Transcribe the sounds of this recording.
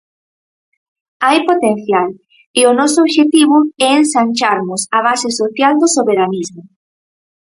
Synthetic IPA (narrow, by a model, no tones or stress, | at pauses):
ajpot̪enθjal | ɪʊnɔsooβʃet̪iβʊɛensanʲt͡ʃaɾmʊsaβ̞asɪsoθjald̪ʊsoβeɾanizmʊ